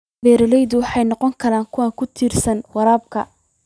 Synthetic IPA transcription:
bɛːɾɐlɛjðʊwɑħɑjnɔqɔŋkʰɐɾaːŋkʰʊwaːŋkʰʊt̪ʰiːrsɐnwɑɾaːb̚kʰɐ

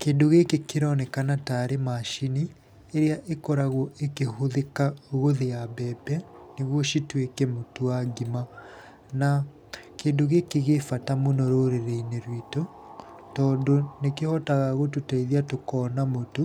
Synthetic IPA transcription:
keːndoɣekekeɾɔnɛkanataɾemaʃini | eɾeaʔekɔɾaɣwɔʔekeɦoðekaoɣoðejabɛbɛneɣwɔʃitwekɛmotuaɡima | na | kendoɣekeɣefatamonɔɾoɾeɾeineɾwito | tɔːndonekehɔtaɣaɣotutaiðiatokɔːnamotu

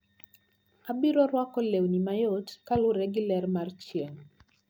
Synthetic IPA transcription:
abiɾɔɾwakɔlewnimajotkalʊɾɛɡilɛrmart͡ʃieŋ

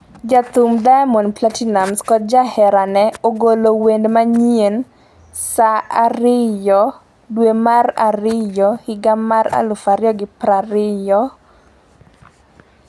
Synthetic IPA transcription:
d͡ʒat̪umdajmɔnplatinamskɔd͡ʒahɛɾanɛoɡolowendmaɲien | saaɾɪjɔ | dwemaraɾɪjɔhɪɡamaɾa̰lʊfaɾjɔɡɪpɾaɾɪjɔ

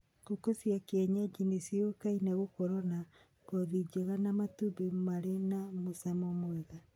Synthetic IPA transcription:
kokosiakeɛɲad͡ʒinisiokainɛɣokɔɾɔna | koðid͡ʒeɣanamatubemaɾenamosɛmɔmwɛɣa

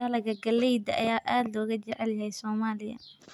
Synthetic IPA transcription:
ɐlɐɣɐɡɐlɛjd̪ɐʔɐjaːʔaːd̪lɔːɣɐt͡ʃɛʕɛljɐɦɛjsɔːmaːlɪjɐ̰

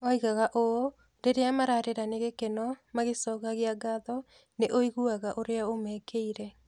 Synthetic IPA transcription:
ɔiɣaɣaʔo | ɾeɾeamaɾaɾeɾaneɣekenɔmaɣesɔːkaɣeaɡaðɔ | neʔoiɣuaɣaʔoɾeaomɛːkeiɾɛ

